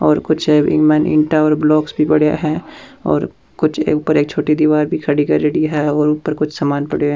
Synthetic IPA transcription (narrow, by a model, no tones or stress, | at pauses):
ɔːɾkʊt͡ʃʰɪ̰mɛːnɪ̰̃ɳʈaɔːɾblɔːksbʱipɐɽ̤ja̰ɦɛɔ̰ːɾ | kʊt͡ʃʰḛːʊpəɾeːk̚t͡ʃʰoːʈid̪iʋaːɾbʱikʰɐɽikɐɾeːɽiɦɛɔːɾʊpəɾkʊt͡ʃʰsaːmaːnpɐɽe